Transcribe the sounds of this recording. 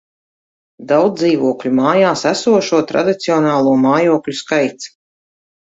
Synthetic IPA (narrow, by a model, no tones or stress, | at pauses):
d̪awd̪iːvuɔklʲumaːjaːsæsuɔʃuɔt̪ɾa̰d̪it̪siɔnaːlˠuɔmaːjuɔklʲuskajt̪s